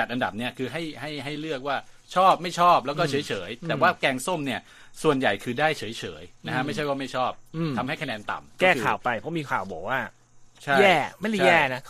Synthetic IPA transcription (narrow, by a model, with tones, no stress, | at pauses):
t͡ɕa˨˩t̪̚ʔa˧nda˨˩p̚ni˦˥ɐkʰɯː˧ɦa˥˩jɦa˥˩jɦa˥˩jlɯ˥˩ək̚waː˥˩ | t͡ɕʰɔː˥˩p̚ma˥˩jt͡ɕʰɔː˥˩p̚lɛː˦˥wkɔː˥˩t͡ɕʰɤː˩˦jt͡ɕʰɤː˩˦jt̪ɛː˨˩waː˥˩kɛː˧ŋso˥˩mni˥˩ɐ | su˨˩ənja˨˩jkʰɯː˧daː˥˩jt͡ɕʰɤː˩˦jt͡ɕʰɤ̰ː˩˦jna˦˥kʰa˦˥ma˥˩jt͡ɕʰa˥˩jwaː˥˩ma˥˩jt͡ɕʰɔː˥˩p̚t̪ʰa˧mha˥˩jkʰnɛː˧nt̪a̰˨˩mkɔkɛː˩˥˩kɯkːʰa̰ː˨˩wpa˧jpʰɔ˦˥miː˧kʰa̰ː˨˩wbɔ̰ː˨˩k̚waː˥˩ | t͡ɕʰa˥˩jɛː˥˩ma˥˩jla˥˩jɛ˧ɛː˥˩na˦˥